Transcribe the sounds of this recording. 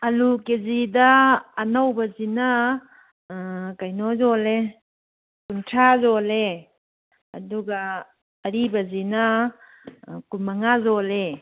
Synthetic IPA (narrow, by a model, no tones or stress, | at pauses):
ɐlukezidaːnawbɐzina | kajnɔzɔle | kuntʰazɔle | ɐ̰duɡaː | ɾibɐzinɐ | kunmaŋazɔle